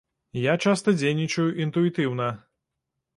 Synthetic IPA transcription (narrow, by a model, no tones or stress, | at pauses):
jat͡ʂast̪ɐd͡zʲejnʲit͡ʂɐjuʔint̪uit̪ɨwnɐ